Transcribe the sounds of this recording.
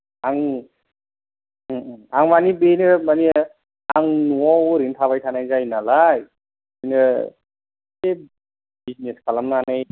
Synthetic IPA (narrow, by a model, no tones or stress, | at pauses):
aŋ | aŋmanibenɯmani | aŋnuɔwɾintʰaβajtʰanajzajnalaj | ɯnɯ | e | bizneskʰalamnanaj